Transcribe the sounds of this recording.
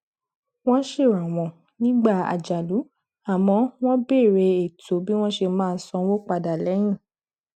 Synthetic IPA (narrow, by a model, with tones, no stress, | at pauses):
w̃ɔ̃˦ʃe˦˨ɾa˨w̃ɔ̃˨ | nĩ˦ɡ͡ba˦˨a̰˨d͡ʒa˨lu˨˦ | a˦˨mɔ̃˨˧˦w̃ɔ̃˦be˦˨ɾe˧e˨to˨˦bi˦w̃ɔ̃˦ʃe˧mãː˦˧˦sɔ̃˧wo˦k͡pa˧da˨lɛ˨˦j̃ĩ˦˨